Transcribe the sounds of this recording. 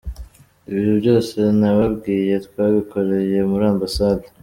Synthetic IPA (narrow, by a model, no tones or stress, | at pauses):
iβiɾubɟo̞ːse̞naβabɡiːje̞t̪kwaβiko̞ɾe̞je̞muɾaːmbasad̪a